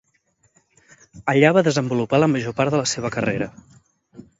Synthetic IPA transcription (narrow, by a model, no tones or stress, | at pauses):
əʎaβaðəzəmbulupaləməʒopaɾðələseβ̞əkəreɾə